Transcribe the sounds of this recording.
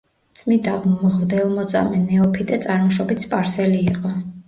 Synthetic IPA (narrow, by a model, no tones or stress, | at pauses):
t̪sʼmid̪aʁmʁvd̪ɛlˠmɔt̪sʼa̰mɛnɛɔpʰid̪ɛt̪sʼaɾmɔʃɔbit̪spʼaɾsɛliːqʼɔ